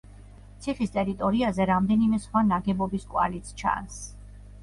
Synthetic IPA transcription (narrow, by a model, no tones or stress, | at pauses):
t̪sʰiχist̪ʼɛɾit̪ʼɔɾiazɛɾamd̪ɛnimɛsχwanaɡɛbɔbiskʼwa̰lit̪sʰt͡ʃʰa̰ns